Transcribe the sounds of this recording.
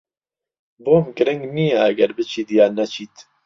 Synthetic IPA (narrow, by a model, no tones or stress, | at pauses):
boːmɡɨɾɪŋɡniːɛɐɡɛɾbɨt͡ʃʰiːd̪jaːnɛt͡ʃʰiːt̪